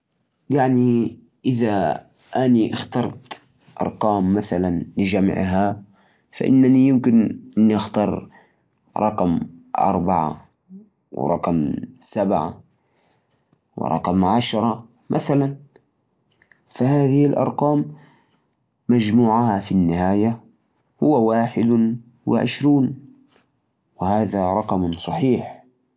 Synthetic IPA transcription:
jaʕni | ʔɪða | ʔaniʔɑxt̪ɑɾˤt̪ | ʔɑ̰ɾˤqɑːmːaθalanlɪd͡ʒam̰ʕɦa | fa̰ʔɪ̰nːanijɪmkɪnʔɪnːiʔɑxt̪ɑːɾˤ | ɾˤɑqmʔɑ̰ɾˤbaʕa̰ | w̰ɾˤɑ̰qmsabʕa̰ | wɪ̰ɾˤɑ̰qmʕaʃɾˤɑ | mʔaθalan | fahaːðɪɪlʔɑ̰ɾˤqɑːm | ad͡ʒmuːʕahafinːɪhaːja | hʊwːawaːħɪd̪ | wɪ̰ʕɪ̰ʃɾuːn | wɪhaːðaɾˤɑqmsˤɑħiːħ

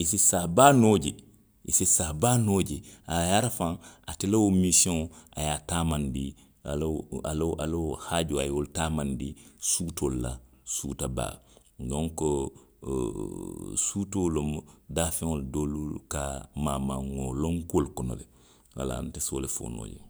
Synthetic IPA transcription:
isisaːbaːnoɟḛ | isisabanoːd͡ʒeajaːɾafãŋatelewomisiõa̰jataːmandi | alalʔalhad͡ʒoajoltaːmandisuːtolːa̰ | sutaba̰ː | dɔ̃ŋko | suːtolomdaːfɛ̃ŋoldoːlukamaːmã̰ŋŋolõŋkolkɔno̰lḛ | wa̰la̰ntesolefo̰no̰ːjḛ

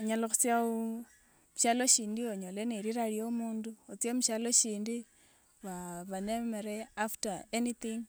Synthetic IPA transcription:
oɲaloxut͡sjau | mʃaloʃiːndioɲoleneɾiɾaɾjomuːnduot͡sjamuʃaloʃiːndi | βaβanemeɾeaftaeniθiŋ

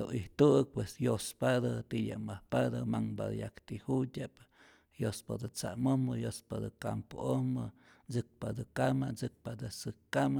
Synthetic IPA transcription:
oʔiht̪ɨk̚pwesjospad̪at̪ija̰mahpad̪amaŋba̰d̪jakt̪ihutʲap | jospad̪ɨt͡sa̰mombɨjospad̪ɨkampoʔomɨ | d͡zɨk̚pad̪ɨkamad͡zɨk̚pad̪ɨsɨkkːama

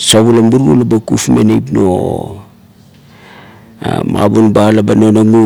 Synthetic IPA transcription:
saβulambuɾɡulabakufmḛnejp̬no̰ | ma̰bonbalabanonaŋu

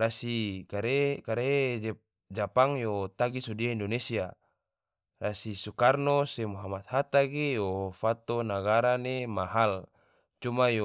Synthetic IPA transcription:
rasikaɾekaɾe | d͡ʒapaŋjot̪aɡisodiaindonesia | rasisukarnosemuɦamat̪̚hat̪aɡejofat̪onaɡaɾanemaɦal | t͡ʃumajo

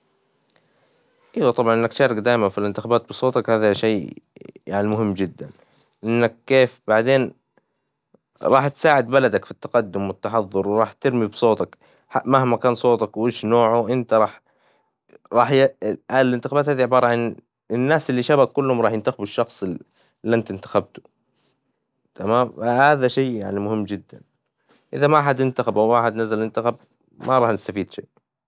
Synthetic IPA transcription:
ʔiwat̪ˤɑbʕɑnʔɪnːakt̪ʃɑːɾˤɑkd̪aːjmanfilɪnt̪ɪxabaːt̪̚bɨsˤoːt̪ɑkhaːðaʃeːjaʕnimʊɦɪmːd͡ʒɪd̪ːan | ʔɪnːakːeːfbaʕd̪eːn | ɾˤɑːħt̪saːʕɪd̪balad̪akfit̪ːaqɑd̪ːʊmwɪt̪ːaħɑðˤːʊɾwɾˤɑːħt̪ɪɾmibsˤoːt̪ˤɑk | amahmakaːnsˤoːt̪ˤɑkwʔeːʃnoːʕʊʔɪnt̪aɾˤɑːħ | ɾˤɑːħjʔalɪnt̪ɪxabaːt̪haːðiʕɪbɑːɾˤɑʕan | ɪnːaːsʔɪlːiʃabakːʊlːhʊmɾɑːħjɪnt̪axɪbɪʃːɑxsˤ | lːʔant̪ɪnt̪ḁxab̚t̪ʊ̥ | t̪ʰamaːmfahaːðaʃeːjaʕnimʊhɪmːd͡ʒɪd̪ːa̰n | ʔɪðamaʔaħad̪ɪnt̪axabʔawwaːʔaħɪd̪nazalʔɪnt̪axab̚ | mʔaɾˤɑːħnɪst̪afiːd̪ʃḛːʔ

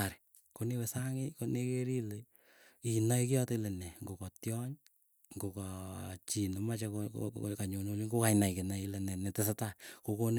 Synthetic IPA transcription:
aɾi | konewɛsaŋɪkonekeɾile | inajkɪjɔteilɛnɛŋɡokɔtjɔɲ | ŋɡokɔt͡ʃinomat͡ʃako̰kaɲonuliŋɡokainaikenailɛnɛnɛtes̬atakokon

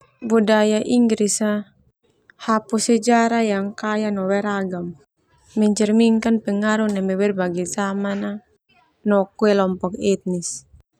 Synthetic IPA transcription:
budajaʔiŋɡɾisa | hapusɛd͡ʒaɾajaŋkajanɔwɛɾaɡam | mɛɲt͡ʃɛrmiŋkanpɛŋaɾunɛmɛwɛrbaɡizamana | nɔkuɛlɔmpɔkɛt̪̚nis

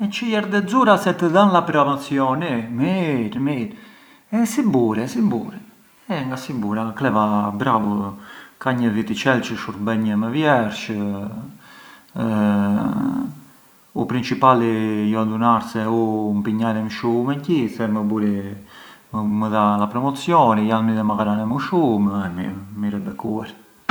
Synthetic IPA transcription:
ɛt͡ʃəjɛɾd̪ɛd͡zuɾasɛt̪əðanlapɾɔmat͡sjɔnimiɾmiɾ | ɛsimbuɾɛsimbṵɾɛ | ɛŋɡasibuɾaklɛvabɾavukaɲəvit̪it͡ʃɛlt͡ʃəʃuɾt̪bɛɲəmɛvjɛɾʃ | upɾint͡ʃipalijɔad̪unaɾsɛumpiɲaðɛmʃumɛncisɛməbuɾi | əməðalapɾɔmɔt͡sjɔnijalmiðɛmakaɾanɛmuʃumɛmimiɾɛbɛkuɛɾ

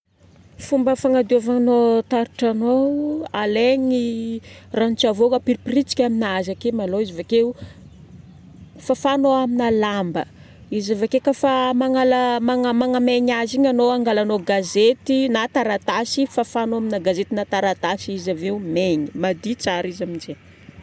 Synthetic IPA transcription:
fumbəfaŋad̪iovanot̪aɾuʈ͡ʂanoaleɲi | ranit͡ʃavokapiɾiprit͡si̥kʲaminazakemaloizivake | fafanoaminalambə̰ | izavakekafamaŋalamaŋamaŋameɲaziɲanoaŋɡalanoɡazet̪inat̪aɾat̪asifafanoaminaɡazet̪inat̪aɾat̪asiizaveumeɲimad̪it͡saɾizamind͡ʒe

